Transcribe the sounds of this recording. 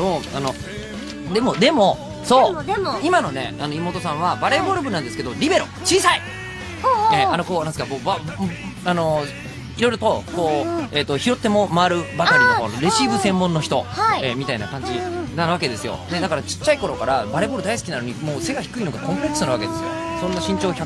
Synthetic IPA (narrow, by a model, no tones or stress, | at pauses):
oano | d̪e̞mo̞d̪e̞mo̞ | so̞ːimano̞ne̞anoimo̞ːt̪o̞sãβabaɾe̞bo̞ɾɯ̟bɯ̟nãnd̪sɨ̥ke̞d̪oɾʲibe̞ɾo̞̰t͡ɕiːsai | eːano̞ko̞ːande̥skamoːba | ano̞ | iɾo̞iɾo̞t̪o̞ko̞ːe̞ːt̪ːo̞çiɾo̞t̪ːe̞mo̞maaɾɯ̟bakaɾinoa̰noɾe̞ɕibɯ̟sẽ̞mːõnːo̞çi̥t̪o̞haiemʲit̪aina̰kãɲ̟d͡ʑinanβ̞ake̞d̪e̞sɨjo̞̰d̪e̞d̪akaɾat͡ɕi̥t͡ɕːaiko̞ɾo̞kaɾabaɾe̞bo̞ːɾɯ̟d̪aisɨ̥kʲinano̞ɲ̟imo̞ːse̞ɡaçi̥kɯ̟ino̞ɡakõ̞mpɯ̟ɾe̞kɯ̥sɨnaβa̰ked̪e̞sɨjo̞̰sõ̞nːaɕĩɲ̟t͡ɕo̞ːça